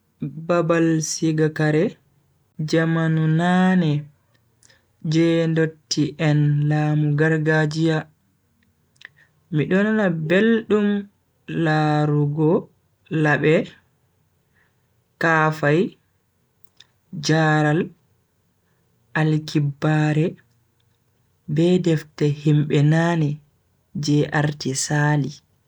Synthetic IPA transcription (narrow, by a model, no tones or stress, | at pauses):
babalsiɡakaɾɛ | d͡ʒamanunanɛ | d͡ʒɛndotːiʔɛnlaːmuɡaɾɡad͡ʒija | miɗɔnanabelɗum | laɾuɡɔ | laɓɛ | kaːfaj | d͡ʒaɾal | ʔalkibːaːɾɛ | bɛdɛftɛhimɓɛnanɛ | d͡ʒɛʔaɾtisaːli